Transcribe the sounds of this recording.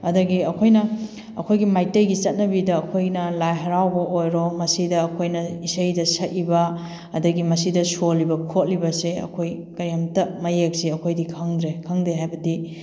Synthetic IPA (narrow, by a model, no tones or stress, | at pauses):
ɐdɐɡiɐkʰojnɐ | ɐkʰojɡimajtɐjɡit͡ʃɐt̚nɐbidɐːkʰojnɐlajɦɐɾawbɐʔojɾomɐsidɐːkʰojnɐisɐjdɐsɐt̚ibɐ | ɐdɐɡimɐsidɐsolibɐkʰot̚libɐseɐ̰kʰojkɐjamtɐmɐjek̚siɐkʰojdikʰɐŋdɾekʰɐŋdeɦajbɐdi